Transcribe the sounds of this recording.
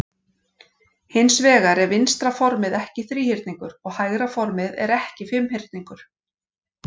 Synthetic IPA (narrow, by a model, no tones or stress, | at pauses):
hɪnsvɛːɣaɾɛɾvɪnst̪ɾafɔɾmɪðɛhcɪθɾiːhɪɾt̪niŋkʏɾɔɣhajɣɾafɔɾmɪðɛ̰ɾɛhcɪfɪmhɪɾ̥t̪niŋkʏɾ̥